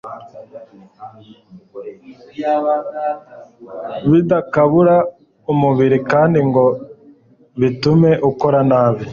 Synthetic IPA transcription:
βidakaβuɾa | umuβiɾikaːndiŋɡo | βitume̞ʔukoɾanaːβi

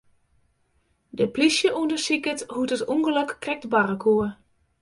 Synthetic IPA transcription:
dəplisjəʔuəndəsikəthutətuŋɡələkːrɛk̚tbarəkʰuə

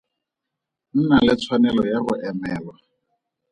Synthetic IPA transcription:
n̩nalɪt͡sʰwanɛlɔjaɣʊʔɛmɛːlwa

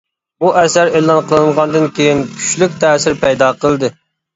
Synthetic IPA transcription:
buʔɛsæɾelˠɑnqʰəlˠɨnʁɑnd̪ɨnkʲʰejinkʲʰy̥ʃlykʲt̪ʰɛːsɪɾpʰɛjd̪ɑːqʰəlˠd̪ɨ

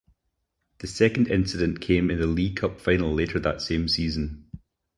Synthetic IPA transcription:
ðəsɛkə̃n̩dɪ̰̃nsɪdə̃nkʰẽmɪ̃nðəlˠikʰʌpfãɪ̃nl̩ˠlˠeʔə˞ðə̰tsẽmsizə̃n

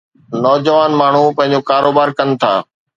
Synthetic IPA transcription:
nɔːd͡ʑəʋaːnmaːɳ̤upɐ̃ɦɪ̃ɲd͡ʑokaːɾoːbaːɾkɐnɪ̆t̪ʰa̰ː

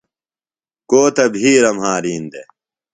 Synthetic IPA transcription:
koːt̪ɐbʱiːɾɐmɦaːɾiːnd̪e

